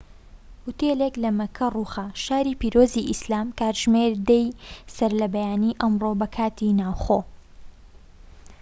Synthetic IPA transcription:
hut̪eleklɐmɐkʰɐruːxɐʃaːɾiːpiːɾoːziʔislaːmkaːɾʒmeɾd̪ɛjsɐɾlɐbɛjaːniːʔɐmroːbɐkʰaːt̪ʰinaːwχoː

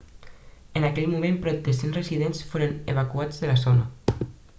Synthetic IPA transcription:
enakɛʎmumẽmpɾɔt̪̚d̪esenreziðensfoɾeneβ̞akuad͡zðəlasona

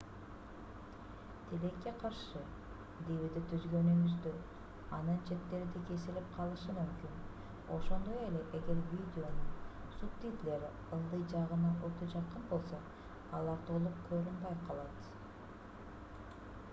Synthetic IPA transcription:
t̪ʰile̞kːe̞qʰɑɾʃɯ | d̪eβid̪et̪ʰyzɡønymyzd̪ø | ɑnɯnt͡ʃʰe̞t̪ːe̞ɾid̪eke̞silip̚qʰɑlˠɯʃɯmymkyn | o̞ʃo̞nd̪oje̞le̞ʔeɡe̞ɾvʲid̪ʲɪo̞nuŋ | supt̪it̪le̞ɾi | ɯlˠd̪ɯjd͡ʒɑʁɯnɑʔo̞t̪ʰod͡ʒɑqɯnbo̞lˠso̞ | ɑlˠɑɾt̪ʰo̞lˠup̚kʰøɾynbɑjqʰɑlˠɑt̪

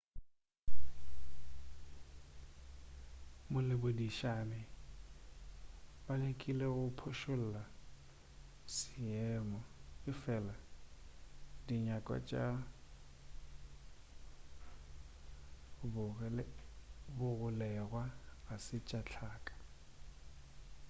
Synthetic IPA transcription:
mʊlɪbodiʃanɪ | balekʼileɣʊpʰʊʃʊl̩la | sɪɛːmɔɪfɛla | diɲakʼwa̰t͡ʃʼa | bʊ | bʊɣʊlɛɣwaasɪt͡ʃʼat͡ɬʰaːkʼḁ

